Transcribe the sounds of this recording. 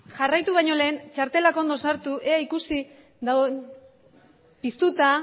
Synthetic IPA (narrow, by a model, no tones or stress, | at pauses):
ʝarajt̪uβ̞ajɲo̞le̞ːnt͡ʃaɾt̪e̞lako̞nd̪o̞saɾt̪uʔe̞aikusi | d̪a | pist̪ut̪a